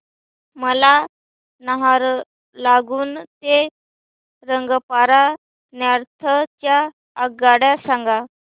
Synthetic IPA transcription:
məla | nəɦaɾ | laɡuːnt̪e | ɾəŋɡəpaɾa | njaɾt̪ʰəjaː | ɡaɽjasaŋɡa

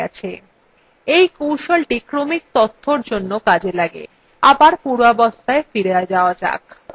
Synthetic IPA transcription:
ɛt͡ɕʰe | ejkowʃolʈikɾomik̚t̪ɔt̪ʰːoɾd͡ʑonːokad͡ʑelaɡḛ | abaɾpuɾabɔst̪ʰaefiɾead͡ʑaoad͡ʑa̰k

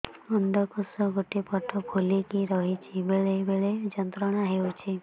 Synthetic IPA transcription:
ɔnd̪ɔkɔsɔɡoʈepɔʈʰɔbʱolikiɾɔɦit͡ʃʰibeɭebeɭed͡ʒɔnt̪ɾɔɽ̃aɦewt͡ʃʰi

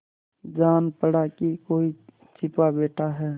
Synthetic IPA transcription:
d͡ʒaːnpəɽakikoːi | t͡ʃʰɪpabeːʈʰaɦɛː

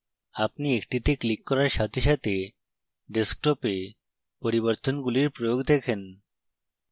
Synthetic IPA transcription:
apniekʈit̪eklikːɔɾaɾɕat̪iɕat̪e | ɖeskʈɔpe | pɔɾibəɾt̪ɔnɡuliɾpɾɔjoɡd̪ekʰen

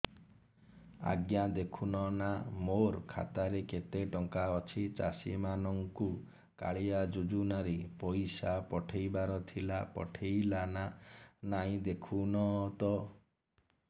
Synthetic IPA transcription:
a̰ɡjad̪ekʰunɔnamoɾkʰa̰t̪aɾeket̪eʈɔŋkaɔt͡ʃʰit͡ʃa̰sḭmanɔŋku | ka̰ɭiad͡ʒud͡ʒunaɾepɔjsapɔʈʰejbaɾɔt̪ʰilapɔ̰ʈʰejlananaĩd̪ekʰunɔt̪ɔ

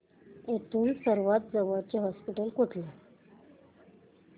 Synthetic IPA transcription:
et̪ʰuːnsəɾʋat̪̚d͡zəʋəɾt͡ɕeɦɔspiʈəlkuʈʰle

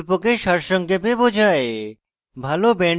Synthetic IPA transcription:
pokeʃaɾʃɔŋkepebod͡ʑʱae | bʱalobɛɳ

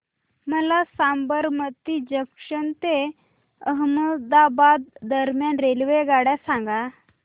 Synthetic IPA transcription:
məlasambəɾmət̪id͡ʑəkʂənt̪e | əɦməd̪abad̪ːəɾmjanɾelʋeɡaɽjasãŋɡa

